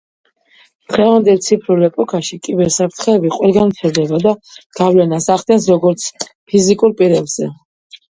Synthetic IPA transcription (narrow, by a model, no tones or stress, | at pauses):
t̪χɛvand̪ɛlˠt̪sʰipʰɾulɛpʼɔkʰʼaʃikʼibɛɾsapʰɾt̪ʰχɛːbiqʼwɛlˠɡant̪sʰɛɾd̪ɛbad̪aɡ̥avlɛnasaχd̪ɛnsɾɔɡɔɾt̪sʰ | pʰizikʼuɾpʼiɾɛbz̥ɛ